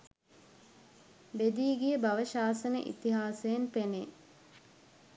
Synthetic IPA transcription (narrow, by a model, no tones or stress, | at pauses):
bed̪iːɡijəbaʋəʃaːsənə̰ʔḭt̪iɦaːsejenpene